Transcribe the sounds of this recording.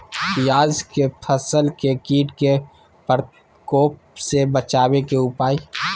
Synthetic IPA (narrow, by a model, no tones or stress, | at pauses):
pɪjaːzkepʰəsəlkekiːʈke | pəɾ | koːp̚ | sebət͡ʃaːwekeʊpaːi